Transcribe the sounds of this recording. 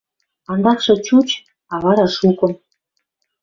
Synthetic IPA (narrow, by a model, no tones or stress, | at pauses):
ɑnd̪ɑkʃɤ̆t͡ɕut͡ɕ | ɑβɑɾɑʃukɤ̆